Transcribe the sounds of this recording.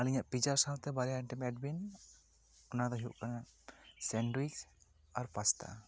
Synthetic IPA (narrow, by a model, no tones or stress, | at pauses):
aliɲaʔpid͡ʒaɾsawt̪ɛbaɾɛjaiɳʈimɛʈ̚bin | ɔnad̪ɔɦiuʔkanasɛnɖwiks | aɾpast̪a̰